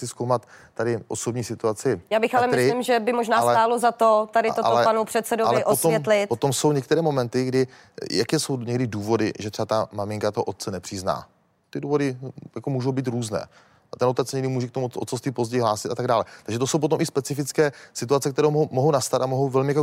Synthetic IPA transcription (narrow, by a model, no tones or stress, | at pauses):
sɪskowmat̪ː | adɪʔosobɲiːsɪt̪uat͡sɪjaːbɪxalɛmɪɾsɪlɪmʒɛbɪmoʒnaːalɛaːlozat̪ot̪adɪolɛpanupr̥ɛt̪sɛdoalvlɛɪʔoot̪oɛlɪpot̪o̞mso̞wɲɛk̚t̪ɛɾɛːmomɛnt̪ɪɡdɪ | jakɛːso̞wɲɛɡdɪduːvo̞dɪʒɛt̪r̥ɛbat̪amamɪŋkat̪oɦoʔot̪̚t͡sɛnɛpr̥ɪzna̰ː | t̪ɪduːvo̞dɪjakomuːʒo̞wbiːt̪̬ɾuːznɛ̰ː | at̪ɛnʔot̪ɛt͡sɲɛɡdɪmuːʒɛkt̪omuot̪t͡sosiːpozɟɛjiɦlaːsɪ̥t̪ʔat̪aɡ̚daːlɛt̪aɡʒɛt̪osowp̬o̞t̪̬omɪspɛt͡sɪfɪt͡skɛːsɪt̪uat͡sɛkt̪ɛɾowomoɦownast̪at̪amoɦowvɛlmɪjak